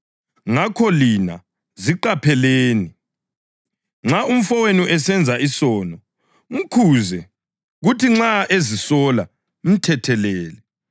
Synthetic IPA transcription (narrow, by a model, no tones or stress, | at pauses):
ŋakʰɔlina̰ | ziǃapʰɛleːni | ŋ͡ǁaum̩fɔwenuʔɛsɛnd͡zʱaʔisɔːnɔ | ŋ̩kʰuzɛ | ɣutʰiŋ͡ǁaʔezisɔla | m̩tʰɛtʰɛlɛːlɛ